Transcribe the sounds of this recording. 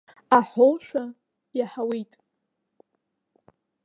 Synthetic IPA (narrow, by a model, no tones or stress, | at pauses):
aħolʃʷᶣa | jaħawijtʼ